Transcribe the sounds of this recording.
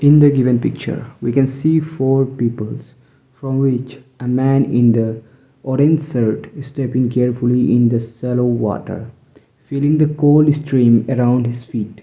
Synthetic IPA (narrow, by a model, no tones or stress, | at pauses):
ɪ̃nd̪əɡɪʋə̃npɪk̚t͡ʃə̰ɾwikɛ̃nsiːfoːɾpiːpəlz̥ | fɾɔ̃mwɪt͡ʃʔəmæ̃nɪ̃nd̪ə | ʔɔɾẽnsəɾʈɪssʈɛpɪ̃ŋkɛɾfuliʔɪ̃nd̪əsɛloʋɔ̰ːʈə̰ɾ | filɪ̃ŋd̪əkoːlsʈʰɾĩːməɾãʊ̃ɳɖhɪz̥fiːʈ